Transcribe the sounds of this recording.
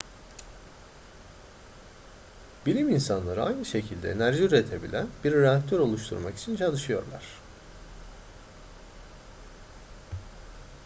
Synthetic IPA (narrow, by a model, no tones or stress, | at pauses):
bilʲiminsanlˠaɾɯa̰jnɯʃe̞cʰilʲd̪ɛ̰eːnæɾʒiyɾet̪ʰe̞bḭlʲænbiɾːeak̚t̪ʰøɾo̞lˠuʃt̪ʰṵɾmaki̥t͡ʃʰint͡ʃʰalˠɯʃɯjo̞̰ɾlˠa̰ɾ̝̥